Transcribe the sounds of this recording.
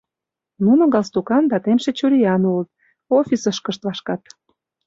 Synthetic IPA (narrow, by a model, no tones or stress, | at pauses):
nunoɣɑlst̪ukɑnd̪ɑt̪enʃĕt͡ɕuɾʲiɑnulət̪̚ | ofʲisəʃkə̆ʃt̪βɑʃkɑt̪